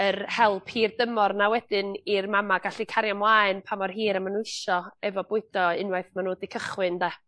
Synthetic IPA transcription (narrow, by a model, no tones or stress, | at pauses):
ərhɛlˠpʰirdəmɔrnawɛd̥ɪnirmamaɡaɬikʰaɾjamlˠaɨnpʰamɔrɦiːɾamanuɪʃɔɛvɔbʊɨdɔɪnwajθmanoːdikʰəχwɨndɛ